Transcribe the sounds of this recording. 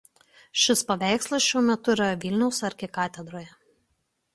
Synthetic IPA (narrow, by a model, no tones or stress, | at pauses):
ʃʲɪspɐʋʲæˑɪkslˠɐsʃʲuɔmʲɛt̪ʊiɪɾɐʋʲɪlʲnʲɛʊsɐɾʲkʲɪkɑːt̪ʲɛd̪ɾoːjɛ